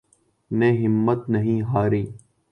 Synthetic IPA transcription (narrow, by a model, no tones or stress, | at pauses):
nẽːɦɪmːət̪nəɦĩːɦaːɾiː